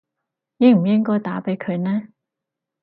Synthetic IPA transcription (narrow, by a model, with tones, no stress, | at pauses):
ni˨˧m̩˨˩jɪ˥ŋkɔː˥˩jt̪aː˨˥pe˨˥jkʰɵ˨˧ɥnɛː˥